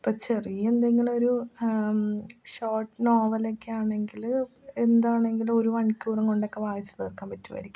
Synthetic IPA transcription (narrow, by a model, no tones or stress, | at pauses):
pːoːt͡ɕeriend̪eŋɡilo̞ɾu | ɕoːrʈːɨnoːʋɐlekːeaːɳe̞ŋɡilend̪aːɳe̞ŋɡilo̞ɾuɐɳikʲːuːrɐŋkoɳɖokːe̞ʋaːjɐt͡ɕːɐ̥nirkːaːmpɐtːuʋɐ̰ɾikʲːum